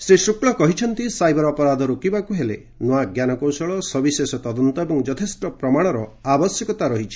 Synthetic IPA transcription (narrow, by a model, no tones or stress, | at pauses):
sesukɭɔkɔɦit͡ʃʰɔnt̪isajbɔɾɔpɔɾad̪ʱɔɾokibakuɦele | noaɡjanɔkɔwsɔɭɔsɔbisesɔt̪ɔd̪ɔnt̪ɔebɔŋd͡ʒɔt̪ʰesʈɔpɾɔmaɽ̃ɔɾɔabɔsjɔkɔt̪aɾɔɦit͡ʃʰi̥